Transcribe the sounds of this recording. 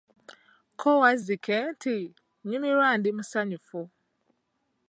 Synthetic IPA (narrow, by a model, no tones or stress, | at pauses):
kʰɔwazikʰɛntʰɪ | ɲũmĩɾaːndɪmũsaɲʊfʊ